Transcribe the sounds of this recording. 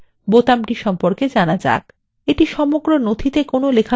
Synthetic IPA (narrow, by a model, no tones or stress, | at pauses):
bot̪amʈiʃɔmpoɾked͡ʑanad͡ʑa̰k | eʈiʃɔmoɡɾonot̪ʰit̪ekonolekʰa